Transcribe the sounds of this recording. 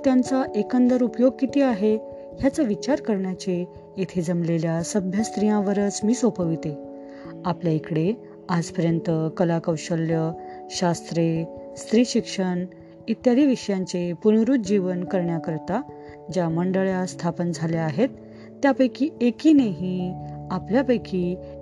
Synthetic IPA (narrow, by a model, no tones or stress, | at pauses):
t̪jant͡saʔekənd̪əɾupjoɡ̚kit̪iːaɦe | ɦjat͡səʋit͡ɕaɾkəɾɳjat͡ɕe | et̪ʰed͡zəmleljasəbʱjəst̪ɾijãʋəɾət͡smiːsopəʋit̪e | apljaikɽe | ad͡zpəɾjənt̪əkəlakəwɕəljəɕast̪ɾest̪ɾiːɕikʂəɳ | it̪ːjaɾiʋiʂəjãɲt͡sepuñɾuːt̪̚d͡ʑiʋənkəɾɳjakəɾt̪a | d͡ʑaməɳɖəɭjast̪ʰapənd͡zʱaleaɦet̪ː | japəjkiːekiːneɦĩapljapəjkiː